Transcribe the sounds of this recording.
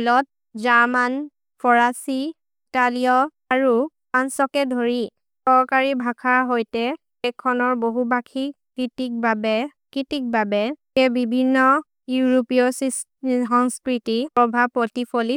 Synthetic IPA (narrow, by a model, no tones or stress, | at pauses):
lɔt̚ | zaman | pʰɔɹasi | italijɔ | aɹu | ansɔkɛdʱoɹi | sɔɹkaɹibʱakʰaɹɦojtɛ | ɛkʰːɔnɔɹboɦubakʰikɹitik̚babɛkɹitik̚babɛ | ɛbibʱinːɔ | juɹopiɔsis | ɦɔŋskɹitipɹɔbʱabpɹotipʰoli